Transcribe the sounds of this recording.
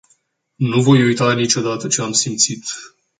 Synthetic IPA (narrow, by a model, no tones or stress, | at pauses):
nuvo̞jujt̪anit͡ʃo̞d̪at̪ət͡ʃeamsimt̪sit̪